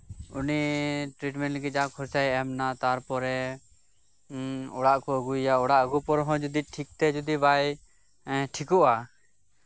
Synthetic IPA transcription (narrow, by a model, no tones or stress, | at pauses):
uniʈɾiʈmɛnʈɡɛd͡ʒakʰɔɾt͡ʃajɛmnat̪aɾpɔɾɛ | ɔɽaʔkɔəɡujaɔɽaʔəɡupɔɾɦɔ̃d͡ʒud̪iʈʰik̚t̪ɛd͡ʒud̪ibaj | ʈʰikɔʔa